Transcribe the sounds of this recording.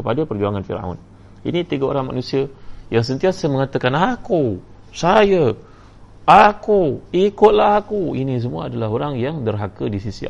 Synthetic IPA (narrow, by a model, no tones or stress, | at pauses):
kəpadapərd͡ʒuaŋanfḭɾa̰w̰n | ḭnit̪iɡao̰ɾaŋma̰nũsiajaŋs̬ənt̪iasəməŋat̪akanaku | saja | akuikʊt̪̚laɦakuinis̬əmua̰adalaɦoɾaŋjaŋdərɦakədisisḭ